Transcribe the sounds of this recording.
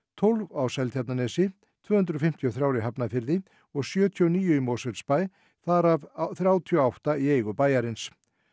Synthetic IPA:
t̪ʰolvaːwsajlt̪jap̚nanɛsɪ | t̪ʰvœːhʏnt̪ɾɔfɪm̥t̪ʰjɔθɾjaːwɾɪɦapnafɪɾðɪ | ɔɣsjœːt̪ʰjɔniːjʏimoːsɛlspaj | θaɾavθɾjaːwt̪ʰijɔawht̪aieːjɣʏpaːjaɾɪns

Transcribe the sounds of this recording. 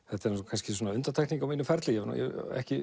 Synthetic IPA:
θɛht̪aɾskʰanscɪswɔnaʏnt̪at̪ʰajkniŋkawminʏfɛɾt̪lɪjɛnṵjɛ̰ɛ̰hcɪ

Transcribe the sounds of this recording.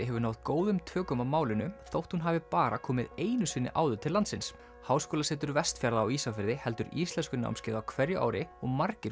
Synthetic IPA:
ɪɦɛvʏɾnaːwðkoːwðʏmt̪ʰœːkʏmamaːwlɪnʏθowht̪hunɦaːvɪpaːɾa̰kʰɔːmɪ̰ðeːjnʏsɪnːɪ̰ʔaːwðʏt̪ʰɪlant̪sɪns | haːwskoːlasɛːt̪ʏɾvɛst̪fjaɾðaːwisafɪɾðɪhɛl̪t̪ʏɾḭst̪ɛnskʏna̰wmscɪːɾðawkʰvɛɾjʏʔa̰ːwɾɪɔɣmaɾcɪɾ

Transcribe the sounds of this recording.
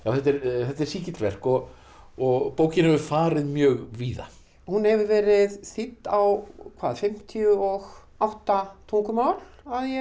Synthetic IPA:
jaːwθɛt̪ːɛɾθɛt̪ːɛɾ̥siːcɪt̪vɛr̥kɔɣ | ɔɣpoːwcɪnhɛvʏfaːɾɪðmjœːɣviːða̰ | hunhɛvʏɾvɛːɾɪðθit̪ːawkʰvaːðfɪm̥t̪ʰiʏɔɣ | awht̪at̪ʰuŋkʏmaːwlaðjɛ

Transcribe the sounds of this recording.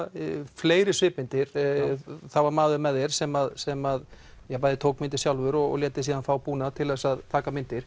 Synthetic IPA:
fleːjɾɪ̥svɪːpɪnt̪ɪɾ̥ | θawvaɾmaːðʏɾmɛðɛɾ̥sɛmaðsɛmað | jɛpajðɪt̪ʰoːwk̚mɪnt̪ɪsjawlvʏɾɔɣɔ̰ɣljɛːt̪ɪ̥siːðanfaːwpuːnaðt̪ʰɪlɛsaðt̪ʰaːkamɪnt̪ɪɾ̥

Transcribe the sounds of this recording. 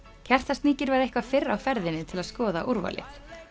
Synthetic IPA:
cʰɛr̥t̪ast̪niːcɪɾvaɾðehkvafɪrːawfɛɾðɪnːɪt̪ʰɪlaðskɔːða̰ʔuɾva̰lɪ̰

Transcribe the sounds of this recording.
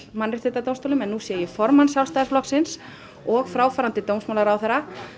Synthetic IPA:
manɾɪt̪vɪt̪ːat̪ownst̪owlʏmɛnːusjɛjɛfɔɾmansjawlst̪ajðɪsplɔksɪns | ɔɣfɾaːwfaɾant̪ɪt̪ownsmawlaɾawθɛɾa

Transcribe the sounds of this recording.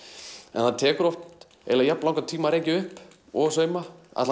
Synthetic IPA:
ɛ̰nθant̪ʰɛːkʏɾɔft̪ | ɛ̰lajap̚nlawŋkat̪ʰiːmaɾejcɪʏhp | ɔsœːɥmaa̰t̪l

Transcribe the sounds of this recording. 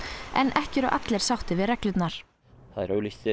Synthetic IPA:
ɛ̰nʔɛhcɪɾɔɣʔa̰t̪lɛɾ̥sawht̪ɪvɪðɾɛklʏt̪naɾ̥ | θaðɛɾœːɥliçt̪ɪ

